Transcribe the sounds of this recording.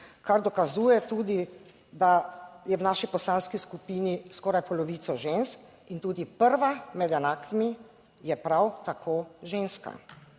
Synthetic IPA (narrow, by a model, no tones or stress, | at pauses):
kaɾd̪ɔkazuːjɛt̪uːd̪i | d̪ajɛwnaːʃipɔslaːnskiskupiːniskɔːɾajpɔlɔʋiːt̪sɔʒensk | int̪uːd̪ipəɾʋamɛd̪ɛnaːkʰimi | jɛpɾawt̪akʰoːʒeːnska̰